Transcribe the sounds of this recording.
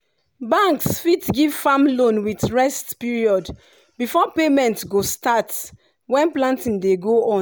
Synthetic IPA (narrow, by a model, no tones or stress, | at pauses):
bãŋksfitɡiv̥famlõnwitɹɛstpiɹiɔd | bifɔpemɛ̃ntɡostat | wɛ̃nplãntĩndeɡoɔ̃